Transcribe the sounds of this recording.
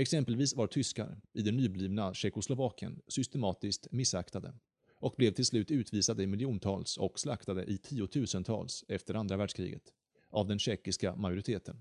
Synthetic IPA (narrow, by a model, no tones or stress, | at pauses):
ɛksɛmpəlviːsvaɾt̪ʰʏska̰ɾɪd̪ɛnːyːbliːvnaɕɛkʊslʊvɑːkə̰nsʏst̪ɛmɑːt̪ɪsk̚t̪mɪsːakt̪ad̪ə̰ | ɔk̚blɛvt̪ʰɪlslʉ̟ːt̪ʉ̟ːt̪viːsad̪əɪmɪljuːnt̪ʰɑːlsɔ̰kslakt̪ad̪ə̰ʔɪt̪ʰiːʊt̪ʰʉ̟ːsənt̪ʰɑ̰ːlsɛft̪əɾand̪ɾavæːɖʂkʰɾḭːɡə̰t̪ | avd̪ɛnɕɛkːɪskamajʊɾɪt̪ʰeːt̪ʰən